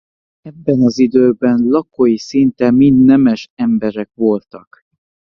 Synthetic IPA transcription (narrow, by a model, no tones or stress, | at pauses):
ɛbːɛnɒzid̪øːbɛnlɒkojisint̪ɛmind̪nɛmɛʃɛmbɛɾɛkʋo̞lt̪ɒk